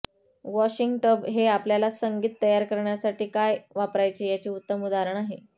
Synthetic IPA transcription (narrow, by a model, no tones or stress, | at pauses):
ʋɔɕiŋɡʈəbɦeapljalasəŋɡiːt̪ːəjaɾkəɾɳjasaʈiːkajʋapɾajt͡ɕeːjat͡ɕiːut̪ːəmud̪aɾəɳ̃aɦe